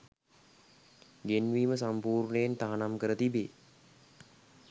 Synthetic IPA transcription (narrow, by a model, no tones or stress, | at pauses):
ɡenʋiːməsampuːɾɳəjent̪aɦanamkəɾət̪ibeː